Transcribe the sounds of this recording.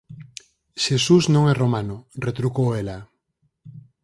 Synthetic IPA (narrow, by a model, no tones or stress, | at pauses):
ʃesusnõŋɛromanoret̪ɾukoela